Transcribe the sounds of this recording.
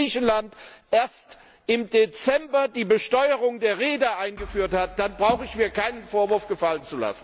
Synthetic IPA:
iːçn̩lantʔeːɐst | ʔɪmdet͡sɛmbɐdiːbəʃtɔʏəʁʊŋdeːɐʁeːdɐʔaɪnɡəfyːɐthat̚d̥anbʁaʊxəɪçmiːɐkʰaɪnənfoːɐvʊɐfɡ̥əfalənt͡sula̰sn̩

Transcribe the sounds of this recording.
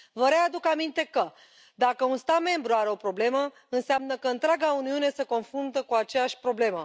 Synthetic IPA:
vəɾead̪ukamint̪e̞kə | d̪akəunst̪at̪me̞mbɾuaɾe̞o̞pɾo̞ble̞mə | ɨnseamnəkəɨnt̪ɾaɡauniune̞seko̞nfɾunt̪əkuat͡ʃejaʃʲpɾo̞ble̞mə

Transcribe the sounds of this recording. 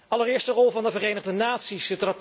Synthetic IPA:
ɑlərɪːɹstərɔlˠvɑndəvərejnəʁdənaːtsisətrɑp

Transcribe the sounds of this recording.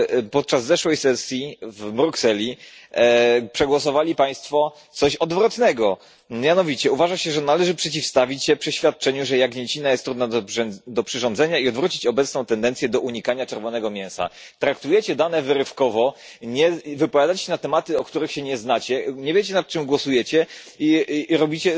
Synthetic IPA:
pɔt̪̚t͡ʂazzɛʂwɛjsɛsʲjivbɾuksɛlʲi | pʂɛɡwɔs̬ɔvalʲipaj̃st̪fɔ | t̪sɔɕɔd̪vɾɔt̪nɛɡɔ | mʲjanɔvʲit͡ɕɛuvaʐaɕɛʐɛnalɛʐɘpʂɛt͡ɕifst̪avʲit͡ɕɕɛpʂɛɕfʲjat̪̚t͡ʂɛɲuʐɛjaɡɲɛt͡ɕinajɛst̪ːɾud̪nad̪ɔpʂɘʐɔnd̪zɛɲaiɔd̪vɾut͡ɕit͡ɕɔbɛt̪snɔ̃w̃t̪ɛnd̪ɛnt̪sʲjɛd̪ɔʔuɲikaɲat͡ʂɛɾvɔnɛɡɔmʲjɛ̃w̃sa̰t̪ɾakt̪ujɛt͡ɕɛd̪anɛvɘɾɘfkɔvɔɲɛvɘpɔvʲjad̪at͡ɕɕɛnat̪ɛmat̪ɘɔkt̪uɾɘxɕɛɲɛznat͡ɕɛɲɛvʲjet͡ɕɛnat̪̚t͡ʂɘmɡwɔsujɛt͡ɕɛ | iɾɔbʲit͡ɕɛ

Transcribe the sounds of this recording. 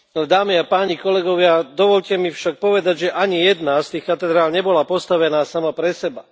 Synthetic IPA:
ld̪aːmiapaːɲikɔlɛɡɔʋɪad̪ɔʋɔʎcɛmifʃak̚pɔʋɛd̪aɟʒɛʔaɲijɛd̪nast̪iːxkat̪ɛd̪ɾaːlɲɛbɔlapɔst̪aʋɛnaːsamapɾɛsɛba

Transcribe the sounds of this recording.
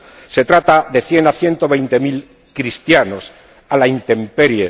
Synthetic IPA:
se̞t̪ɾat̪aðe̞θje̞naθje̞nt̪o̞β̞e̞jnt̪e̞mil | kɾist̪jano̞s | alaint̪e̞mpeɾje

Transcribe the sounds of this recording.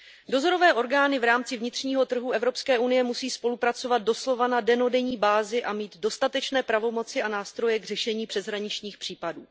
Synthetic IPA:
do̞zo̞ɾo̞vɛːʔo̞ɾɡaːnɪvɾaːmt͡sɪvɲɪt̪r̝̥ɲiːɦo̞t̪r̩ɦuɛvɾo̞pskɛːʔunɪjɛmusiːspo̞lupɾat͡so̞vat̪̚do̞slo̞vanadɛno̞dɛɲiːbaːzɪʔamiːd̪do̞st̪at̪ɛt͡ʃnɛːpɾavo̞mo̞t͡sɪanaːst̪ɾo̞jɛɡrɛʃɛɲiːpr̥ɛzɦɾaɲɪt͡ʃɲiːxpr̝̥iːpaduː

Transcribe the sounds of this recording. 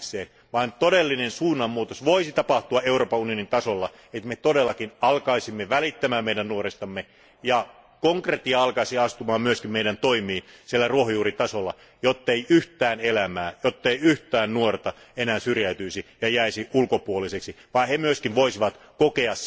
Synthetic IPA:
seːn | ʋɑːnt̪odelːinensuːnːɑmːuːt̪osʋoisit̪ɑpɑht̪uɑeuroːpɑunionint̪ɑsolːɑ | et̪met̪odelːɑkinɑlkɑisimːeʋælit̪ːæmæːmmeijdænnuorest̪ɑmːe | jɑ | koŋkret̪ːiɑɑlkɑisiɑst̪umɑːmmyøskimmeiɾænt̪oimiːnsielːæruohojuːrit̪ɑsolːɑ̰ | jot̪ːeiyht̪æːnelæmæːjot̪ːeiyht̪æːnnuort̪ɑ | enæːsyrjæyt̪yisijɑjæisiulkopuoliseksiʋɑihemyøskinʋoisiʋɑt̪kokeɑs

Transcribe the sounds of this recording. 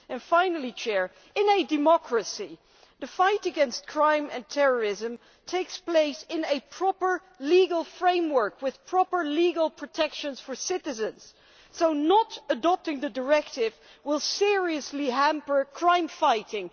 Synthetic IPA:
ɨ̃nfãɪ̃nl̩ˠit͡ʃʰɛɹ | ɨ̃nɨdɨmɑkɹɨsi | ðɨfaɪɾɨɡɛ̃nst̚kʰɹ̥ãɪ̃mɨ̰̃ntʰɛɹə˞ɪzə̃m | tʰeɪkspl̥eɪsɪ̃nɨpʰɹ̥ɑpə˞ | liɡəl̩ˠfɹẽɪ̃mwə˞kwɨð̥pʰɹ̥ɑpə˞liɡəl̩ˠpʰɹ̥ɨtʰɛkʃɨ̃nz̥fə˞sɪɾɨzɨ̃nz̥ | soʊnəɾədɑp̚tɪ̃ŋðɨdə˞ɛktɪv | wɪlˠsɪɹiɨsliɦæ̃mpə˞kʰɹ̥ãɪ̃mfaɪɾɪ̃ŋ

